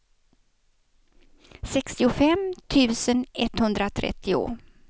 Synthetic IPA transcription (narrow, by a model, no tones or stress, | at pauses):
sɛkst̪ɪʊfɛmt̪ʰʉ̟ːsənɛt̪hɵnd̪ɾat̪ʰɾʔɛ̰t̪ːɪʊ̰